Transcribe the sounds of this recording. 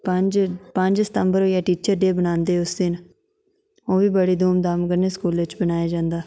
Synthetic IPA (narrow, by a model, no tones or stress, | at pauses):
pəd͡ʒpə̃ɲd͡ʒsə̥t̪əmbəɾojaːʈiːt͡ʃəɾɖeːbənãːnd̪eːʊsd̪ɪn | oːbiːbəɽiːd̪ʱoːmd̪aːmkəɾneːskuːlʋɪt͡ʃbənaːjaːd͡ʒãːnd̪aː